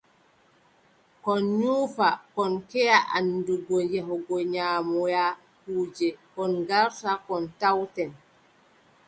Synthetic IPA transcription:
kɔnɲuːfakɔnkɛjaʔanːduɡɔjɛɦɔɡɔɲaːmɔja | huːd͡ʒɛkɔnɡaɾtakɔntawtɛn

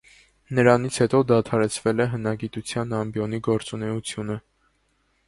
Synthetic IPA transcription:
nəɾɑnit͡sʰhɛt̪ɔd̪ɑt̪ʰɑɾɛt͡sʰvɛlɛɦənɑɡit̪ut͡sʰjɑnɑmbjɔniɡɔɾt͡sunɛut͡sʰjunə

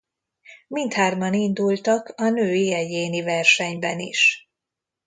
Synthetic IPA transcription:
mint̪haːrbɒnind̪ult̪ɒkɒnøːiɛjeːnivɛrʃɛɲbɛnḭʃ

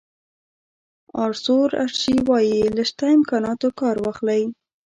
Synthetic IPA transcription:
ɑɾsoɾa̰ʃiwɑjiləʃt̪aɪmkɑnɑt̪okɑɾwɑxlaj

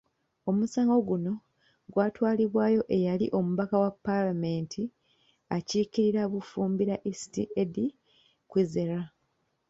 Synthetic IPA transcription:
o̞musaːŋɡo̞ɡuno̞ | ɡwaːtwaːliβwaːjo̞ʔe̞jaliʔo̞muβakawapːalame̞ntʰi | aciːkiɾiɾaβufuːmbiɾaʔisi̥tḭʔedi | kwizeɾa

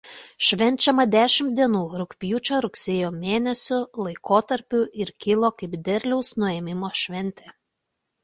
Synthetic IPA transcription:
ʃʲʋʲɛnʲt͡ʃʲɛmɐd̪ʲæːʃʲɪmt̪̚d̪ʲiɛnuːɾʊkʲpʲjuːt͡ʃʲoːɾʊksʲeːjoːmʲeːnʲɛsʲʊlˠɐɪkoːt̪ɐɾʲpʲʊʔɪɾkʲɪlˠoːkɐɪpd̪ʲɛɾʲlʲɛʊsnʊɛːmʲɪmoːʃʲʋʲɛnʲt̪ʲeː

